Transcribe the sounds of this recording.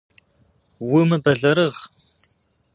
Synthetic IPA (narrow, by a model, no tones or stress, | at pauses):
wʊmɨbɐɮɐɾɨʁ